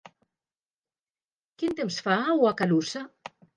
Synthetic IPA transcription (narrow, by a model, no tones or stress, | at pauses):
kint̪emsfauakalusa